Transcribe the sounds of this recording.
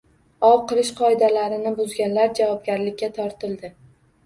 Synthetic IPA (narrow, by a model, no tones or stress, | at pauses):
ɒwqɨlɪʃqʰɒɪd̪alaɾɪnɪbʊzɡʲanlaɾd͡ʒavɒb̚ɡʲaɾlɪkʲːat̪ʰɒɾt̪ɪlˠd̪ɪ